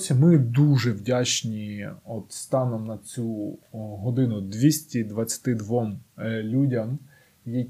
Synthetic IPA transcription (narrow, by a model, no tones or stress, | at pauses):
sʲɐmɪd̪uʒɛwdʲat͡ʃnʲiɔt̪st̪ɑnɔmnɐt͡sʲuɦɔd̪ɪnʊd̪ʋʲisʲtʲid̪ʋɐt͡sʲɐ̥t̪ɪd̪ʋɔmlʲudʲɐm | ji